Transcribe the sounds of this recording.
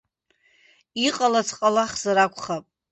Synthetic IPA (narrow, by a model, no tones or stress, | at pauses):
iqʼalat͡sʰqʼalaχzaɾakʷʰʼχapʼ